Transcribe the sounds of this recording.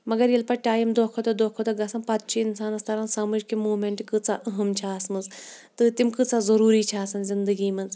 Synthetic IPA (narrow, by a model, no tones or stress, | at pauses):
mɐɡɐɾjelpɐʈaːjimd̪okʰot̪ɐd̪oːkʰot̪ɐɡɐsɐnpɐt̪̚t͡ʃʰiinsaːnɐst̪ɐɾaːnsaːmud͡ʒʲkimuːmeɳʈkɨt͡saʔəɦɐmt͡ʃʰaːsmɨzt̪ɨt̪imkɨt͡sazɐɾuːɾit͡ʃʰaːsɐnzind̪əɡiːmɨz